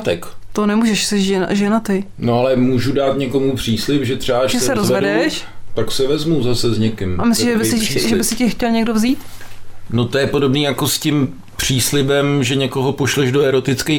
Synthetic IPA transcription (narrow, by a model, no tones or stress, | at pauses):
t̪ɛkt̪onɛmuːʒɛʃsɛʃʒɛ̰ʒɛnat̪ɪ | noalɛmuːʒudaːt̪ɲɛko̞mupr̥iːslɪpʒɛt̪r̥ɛaʒɛssɛɾozɛvɛdɛʃt̪aksɛvɛzmuzasɛzɲɛkɪmʔamɪslɪʒɛbɪsɪʒɛbɪsɪcɪxcɛlɲɛɡ̚dovziːt̪no̞t̪ojɛpodobniːjako̞scɪm | pr̝̥iːslɪbɛmʒɛɲɛko̞ɦo̞poʃlɛʒdoɛɾo̞t̪ɪt͡skej